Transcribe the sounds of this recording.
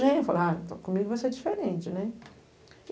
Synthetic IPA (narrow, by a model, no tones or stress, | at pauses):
ʒẽfalat̪ɔkõmiɡʊvoseɛd͡ʒifeɾẽnt͡ʃɪnɛ